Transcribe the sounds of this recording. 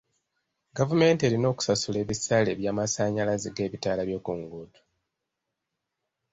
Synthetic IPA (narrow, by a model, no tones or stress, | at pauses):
ɡavume̞ːnte̞ɾino̞ːku̥sasule̞ːβisale̞βjaːmasaːɲalaziɡe̞ːβitaːlaβjo̞ːkuːŋɡuːtu̥